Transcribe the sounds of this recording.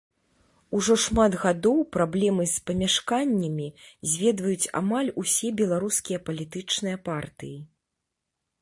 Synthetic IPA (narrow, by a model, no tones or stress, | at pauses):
uʐɔʂmad̪ɣad̪ɔwpɾablʲɛmɨsʲpɐmʲaʂkanʲːɐmʲizʲvʲɛd̪vɐjut͡sʲa̰malʲusʲɛbʲɛlˠaɾuskʲijɐpɐlʲit̪ɨt͡ʂnɨjɐpart̪ɨji